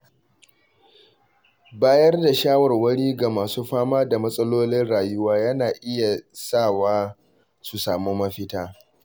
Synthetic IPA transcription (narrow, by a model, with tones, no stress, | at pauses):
baː˦jɐ˦rda˨ʃaː˦wɐ˨rwɐ˦ɽiː˦ɡa˨maː˨suː˦ɸaː˦maː˦da˨mɐ˦sʼɐ˦loː˦lɪ˦nɽaː˨jʊ˦waː˦jɐ˦naː˨ʔɪ˦ja˨sa˦˨waː˦ | su˨saː˨moː˦mɐ˦ɸɪ˦taː˦